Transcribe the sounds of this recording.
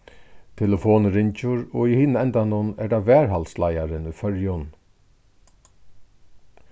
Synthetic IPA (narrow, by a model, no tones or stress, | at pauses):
t̪ʰɛləfoːnɾɪɲt͡ʃʊɹɔihiːnəɛnt̪anʊnɛɖaʋɛːɹɦalslajaɾɪnʊfœɹjʊn